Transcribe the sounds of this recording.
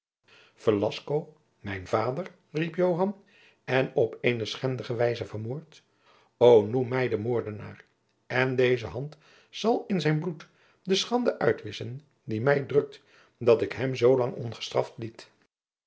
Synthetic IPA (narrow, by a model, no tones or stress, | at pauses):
fəlɑskow | mɛjnvaːdər | ripjowɦɑn | ɛnɔpejnəsχɛndəχəʋɛjzəvərmoːɹt | ownumːɛjdəmoːɹdəna̰ːr | ɛndejzəɦɑnt | sɑlˠɪnzɛjnblut | dəsχɑndəʔœ̰ɥtʋɪsən | dimɛjdrɵk̚t | dɑtɪkɦɛmzowlɑŋɔ̰nχə̥strɑ̰ftlit